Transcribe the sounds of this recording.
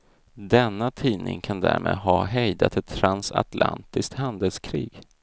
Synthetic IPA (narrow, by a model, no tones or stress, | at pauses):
d̪ɛnːat̪ʰiːnɪ̰ŋkʰand̪æ̰ːɾmʔeːd̪ɦɑɦɛjd̪at̪ɛt̪ʰːɾansat̪la̰nt̪ɪsk̚t̪hand̪əlskʰɾiːɡ̥